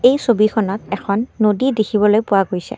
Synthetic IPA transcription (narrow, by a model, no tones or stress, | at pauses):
ejsobikʰɔnɔtɛkʰɔnːodidekʰibɔlojpʊwaɡojsɛ̰